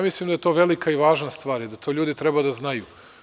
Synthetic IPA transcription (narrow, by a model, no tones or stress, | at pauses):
amislimd̪ajet̪o̞ʋe̞likaiʋaːʒnast̪ʋaːɾid̪at̪oʎuːd̪it̪ɾebad̪aznajuː